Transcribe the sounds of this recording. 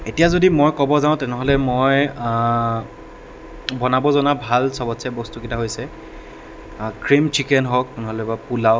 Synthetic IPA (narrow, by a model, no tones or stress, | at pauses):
etijazodimojkɔbɔzãʊ̃tɛnɛɦɔlɛmoj | bɔnabɔzɔnabʱalsɔbɔtsabɔstukitaɦojsɛ | kɹimt͡ʃikɛnɦɔk̚pʊnɔɦɔlɛbapulaʊ